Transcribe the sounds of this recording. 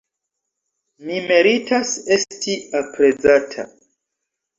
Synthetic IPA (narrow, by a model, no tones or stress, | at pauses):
mime̞ɾitʰase̞stiapɾe̞d͡zatʰa̰